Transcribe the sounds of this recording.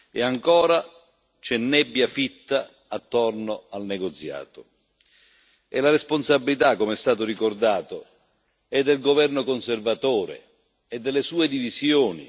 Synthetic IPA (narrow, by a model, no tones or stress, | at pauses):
eaŋkɔːɾa | t͡ʃɛnːɛbːjafit̪ːaː | t̪ːornoalnɛɡot̪sja̰ːt̪ʊ | ɛ̰laɾesponsabːilit̪akːomɛst̪aːt̪ʊrikord̪aːt̪o | ɛd̪ːelɡovɛrnokonservat̪oːɾḛ | ɛd̪ːɛlːesuːed̪ivisjoːnḭ